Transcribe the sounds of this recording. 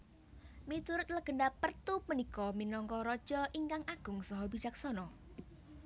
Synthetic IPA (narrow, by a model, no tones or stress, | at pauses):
mit̪uɾʊt̪̚ləɡ̥ə̤ɳdapərt̪upənikɔminɔŋkɔɾɔd̥ʒ̥ɔʔiŋkaŋaɡ̥ʊŋsɔɦɔbid͡ʒak̚sɔnɔ